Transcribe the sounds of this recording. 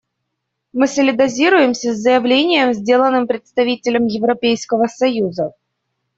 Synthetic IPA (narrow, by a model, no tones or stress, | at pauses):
mɨsəlʲɪd̪ɐzʲiɾʊjɪmsʲəzʲːəjɪvlʲenʲɪjəmzʲdʲe̞lˠənːɨmpɾʲɪt̪st̪ɐvʲitʲɪlʲəmjɪvɾɐpʲejskəvəsɐjuzə